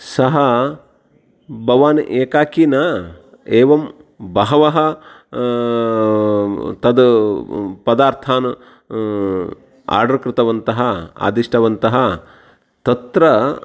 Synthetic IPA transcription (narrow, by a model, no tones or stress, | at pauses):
sɐɦɐ | bʱɐʋaːnʔeːkaːkiːnɐ | eːʋɐm | bɐɦɐʋɐɦɐ | t̪ɐd̪ | pɐd̪aːɾt̪ʰaːn | a̰ːɾɖɐɾkɾɪt̪ɐʋɐnt̪ɐɦɐa̰ːd̪iʂʈʰɐʋɐnt̪ɐɦɐ | t̪ɐt̪ɾɐ